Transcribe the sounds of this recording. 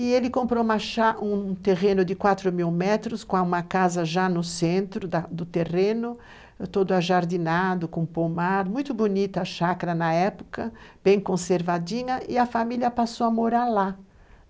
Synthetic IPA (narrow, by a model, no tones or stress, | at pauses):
ɪelɪkõmpɾomɐʃaũt̪eʁẽnʊd̪ɪkwat̪ɾʊmiwmɛt̪ɾʊskõaũmɐkazɐʒanʊsẽnt̪ɾʊd̪ad̪ʊt̪erẽnʊ | t̪od̪ʊaʒaɾd̪inad̪ʊkõpomaɾmũj̃t̪ʊbonit̪ɐʃakɾɐnɐɛpʊ̥kɐb̥ẽj̃kõseɾvad̪ĩŋɐʔɪɐfamiljɐpasowɐmoɾaɾla